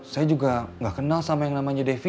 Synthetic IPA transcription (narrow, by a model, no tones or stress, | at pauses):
sajad͡ʒuɡaŋɡaʔkənalsamajaŋnamaɲadefi